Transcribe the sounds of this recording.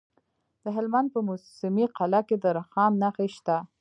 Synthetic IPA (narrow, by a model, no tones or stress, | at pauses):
d̪̥əɦɪlmand̪̚pəmʊsɪmiqalaked̪əɾaxɑmnaxeʃt̪a